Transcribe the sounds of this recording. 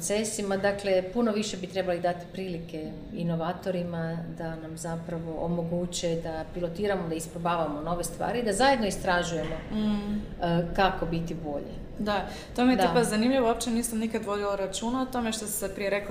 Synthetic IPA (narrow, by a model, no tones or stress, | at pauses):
t̪sesimad̪akle̞puno̞ʋiʃe̞bit̪ɾe̞balid̪at̪i̥pɾiːlike̞ | ino̞ʋaːt̪o̞ɾimad̪anamzapɾaʋo̞ʔomo̞ɡut͡ɕed̪apilo̞t̪iːɾamo̞d̪aispɾobaːʋamo̞no̞ʋe̞st̪ʋa̰ːɾiid̪azaje̞d̪no̞ist̪ɾaʒuje̞mo̞ | kako̞bit̪ibo̞ʎḛ | d̪a | t̪omijed̪pazanimʎiʋoop̚t͡ʃeniːsamnikad̪ʋo̞d̪ilaɾat͡ʃuːnaot̪o̞meʃt̪osi̥sepɾijɾek